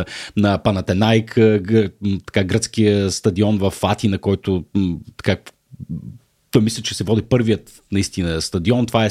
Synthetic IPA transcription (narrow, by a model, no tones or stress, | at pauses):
nɐpɐnɐt̪ɛnajk | t̪ɐ̥kaɡɾət̪sk̟ijəst̪ɐd̪iɔnvɐfat̪inɐkɔjt̪ʊt̪ɐ̥ka | t̪ɔjmislʲɛt͡ʃɛsɛvɔd̪ipɤɾvijət̪ | nɐist̪inəst̪ɐd̪iɔnt̪ovaɛ